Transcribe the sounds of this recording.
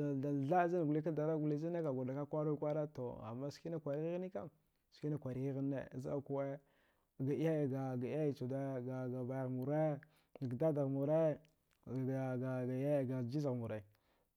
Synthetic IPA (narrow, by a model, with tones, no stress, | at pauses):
da˨ɮa˦za˦n˨ɡu˨li˦k̬a˦da˨ɾa˦ɡu˨li˦zi˦na˦ka˨ɡa˨da˨ka˦kʷa˦ɾa˦kʷa˦ɾa˦to̰˨a̰˨mːa˦ski˦na˦kʷa˨ɾi˦ɣi˦ɣi˦ni˦ka̰˦m | ski˦na˦kʷa˨ɾi˨ɣi˦ɣi˦nːḛ˦˨za˦a˦˨ku˦we˦˨ | ɡa˨i˦ha˦˨ɡa˨ɡa˨˦a˦˨t͡ʃu˨da˦ɡa˨ɡa˨ba˨ja˨ɣmu˨ɾe˦ | n˨ɡda˦da˨ɣmu˨ɾa˦˨ | ɡa˨ɡa˨˦a˦˨ɡa˨d͡ʒi˦za˨ɣmu˨ɾa˨